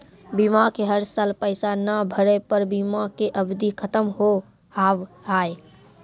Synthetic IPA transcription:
bimakeɦəɾsaːlpəɪsanəbʱəɾepəɾbimakeʔəbd̪ikʰət̪əmɦo | haːʋaːe

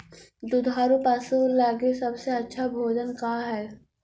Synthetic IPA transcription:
d̪ʊd̪ʱaːɾupaːsuːɾlaːɡesɐbseɐtːʃʰabʱoːd͡ʒənkaːɦɛː

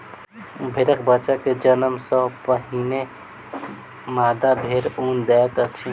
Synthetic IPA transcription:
bʱeɾəkbət͡ʃaked͡ʒənəmsəpəɦine | mad̪abʱeɾund̪ɛt̪ət͡ʃʰi

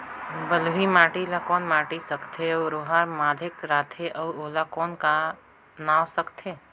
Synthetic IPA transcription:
bəlbʱimaːʈilakɔːnmaːʈisəkt̪ʰeɔɾoːɦaɾmaːd̪ʱɪkɾaːt̪ʰeʔɐwoːlakɔːnka | naːwsəkt̪ʰeː

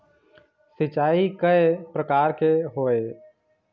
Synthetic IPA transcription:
sɪt͡ʃaːikəepɾəkaːɾkeɦoːe

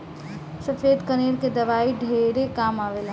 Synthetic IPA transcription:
sɐfeːd̪kɐneːɾked̪ɐʋaːiɖʱeɾekaːmaːʋeːla

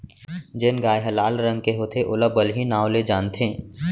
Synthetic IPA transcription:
d͡ʒɪnɡaːjɦɐlaːlɾɐ̃ŋɡ̚keɦoːt̪ʰeʔʊləbəlɦinaːoled͡ʒaːnt̪ʰẽː

